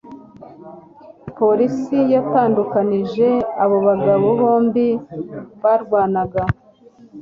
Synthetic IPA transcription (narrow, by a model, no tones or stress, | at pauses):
po̞ɾisijataːndukaniʒe̞aβo̞βaɡaβo̞βo̞ːmbiβaːɾɡwaːnaɡa